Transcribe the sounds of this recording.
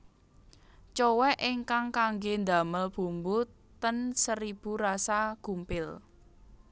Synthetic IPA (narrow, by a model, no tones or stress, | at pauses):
t͡ʃɔwɛʔɪŋkaŋkaŋɡend̪a̤məlb̥ṳmbʊt̪ː | ənsəɾib̥ṳɾasaɡ̥umpɪl